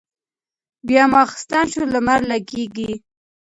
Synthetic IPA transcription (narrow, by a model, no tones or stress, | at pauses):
bjɑmɑxɪ̥st̪ɑnʃolamaɾlaɡeɡi